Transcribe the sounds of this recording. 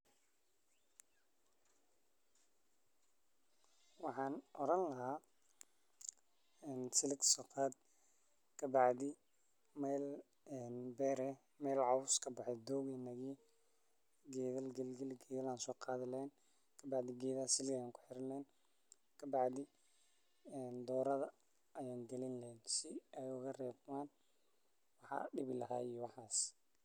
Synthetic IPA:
wɑħɑːnʔɔɾɐnlɐɦaː | ɛːnsɪlɪksɐqaːd̪̚ | kʰɐbɑʕd̪ɪ | mɛl | ɛnbɛːɾɛ | mɛːlʕɑwʊskʰɐbɑħɛd̪ɔːɣiːnɐɣi | ɡɛːðɐlɡɛlɡɛlɡɛːðɐlaːnsɔːqʰɑːðɪlɐɛn | kʰɐbɑʕd̪ɪɡɛːðɐsɪlɣɐjaːŋkʰʊ̥ħɪɾɪnlɛn | kʰɐbɑʕd̪ɪ | ɛnd̪ɔːɾɐðɐ | ɐjaːŋɡɛlɪnlɛnsɪɛjʊɣɐrɛːbmaːn | wɑħɑ̰ɖɪβɪlɐɦa̰ːijwɑħɑːs

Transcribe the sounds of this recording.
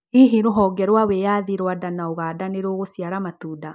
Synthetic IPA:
iɦiɾoɦɔɡɛɾwawejaðiɾwadanaoɣaːdaneɾoːɣosiaɾamat̪uːda

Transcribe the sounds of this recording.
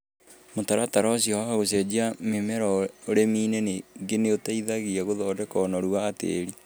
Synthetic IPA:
motaɾataɾɔsiɔhahaɣosɛd͡ʑiamemɛɾɔoɾemiːneneɡeneotaiðaɣiɛɣoðɔːdɛkɔnɔɾuaːtḛːɾi

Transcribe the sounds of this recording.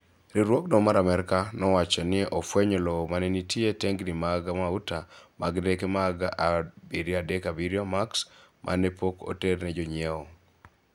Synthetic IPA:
ɾiɾwɔkdɔmaɾamɛɾkanɔwat͡ʃɔnɪʔɔfwɛɲɔlɔmanɛnitieteŋɡnimaɡamautamaɡdekemaɡaʔabiɾjadɛkabiɾjɔmaksmʔa̰nɛpoko̰ternɛd͡ʒɔɲieɔ

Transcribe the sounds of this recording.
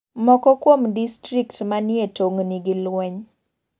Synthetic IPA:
mɔkɔkwomdistɾiktmanɪetoŋniɡɪlwɛɲ

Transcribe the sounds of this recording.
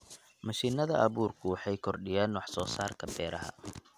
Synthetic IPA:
mɐʃiːnɐðɐʔɐβuːrkʰʊwɑħɑjkʰɔrɖɪjaːnwɑħsɔːsaːrkʰɐbɛːɾɐɦɐ̰

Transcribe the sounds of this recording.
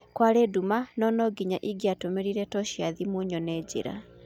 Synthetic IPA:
kwaɾedumanɔnɔɡiɲaʔiɡiatomeɾiɾɛtɔɕiaðimoɲɔnɛːd͡ʑḛɾa̰

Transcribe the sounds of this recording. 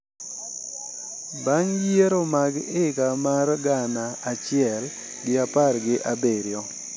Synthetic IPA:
baŋjeɾomaɡɪkamarɡanaːt͡ʃɪɛl | ɡɪaparɡɪʔabeɾjɔ

